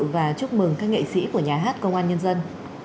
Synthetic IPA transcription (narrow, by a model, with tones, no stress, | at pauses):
vaː˨˩t͡ɕʊ˦˥k͡p̚mɨ˨˩ŋkaː˦˥k̚ŋḛ˧˨sḭ˧˥ku˧˩əɲaː˨˩ɦaː˦˥t̚kə˧wŋ͡mʔaː˧nɲə˧nzə˧n